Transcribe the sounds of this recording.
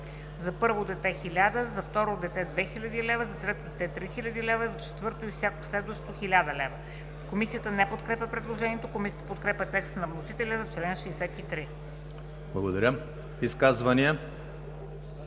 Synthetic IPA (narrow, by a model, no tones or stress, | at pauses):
zɐpɤɾvod̪ɛt̪ɛxilʲad̪əzɐft̪ɔɾod̪ɛt̪ɛd̪vɛxilʲɐd̪ilɛvəzɐsɾɛt̪od̪ɛt̪ɛt̪ɾixilʲəd̪ilɛvəzɐt͡ʃɛ̥t̪vɤɾt̪oifsʲjakoslɛd̪vəʃtt̪oxilʲad̪əlɛvə | komisijət̪ənɛpot̪kɾɛpʲəpɾɛd̪lˠoʒɛniɛt̪okomisiət̪əpot̪kɾɛpʲət̪ɛkst̪ənɐvnosit̪ɛlʲəzɐt͡ʃlɛnʃɛːsɛt̪it̪ɾi | blˠɐɡod̪ɐɾʲə | iskazvɐniɛ